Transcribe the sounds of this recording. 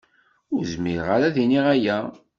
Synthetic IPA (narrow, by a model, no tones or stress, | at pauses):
ʊɾzmiɾʁaɾæðiniʁæjæ